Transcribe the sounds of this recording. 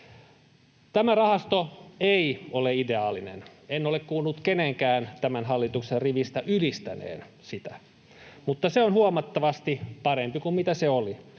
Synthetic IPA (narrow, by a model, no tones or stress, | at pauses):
t̪æmærɑhɑst̪oeioleide̞ɑːlinḛnenːolekkuːlːut̪keneŋkæːnt̪æmænɦɑlːit̪ukserriʋist̪æʔylist̪æ̰nḛːn | sit̪æ | mut̪ːɑseonhuɑmɑt̪ːɑʋɑst̪ipɑɾempikummit̪æseoli